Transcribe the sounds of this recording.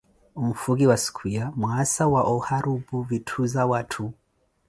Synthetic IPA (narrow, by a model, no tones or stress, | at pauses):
um̩fuɣiwaskʰwiamwasawaʔɔhaɾubuvitʰuzawatʰu